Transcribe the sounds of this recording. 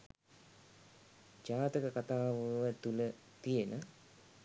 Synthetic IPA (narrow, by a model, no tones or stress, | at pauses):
d͡ʒaːt̪əkəkat̪aːʋəʋət̪ulə | t̪ijenə